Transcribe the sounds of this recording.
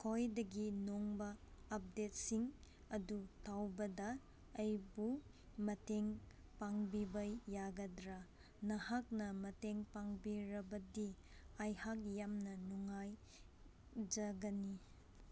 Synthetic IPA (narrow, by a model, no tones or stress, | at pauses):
kʰojdɐɡinoŋbɐːp̚det̚siŋ | ɐdutʰawbɐdɐː | jbu | mɐteŋ | paŋbibɐjːaɡɐdɾa | nɐhak̚nɐmɐteŋpaŋbiɾɐbɐdi | ajhak̚jamnɐnuŋaj | d͡ʒɐɡɐni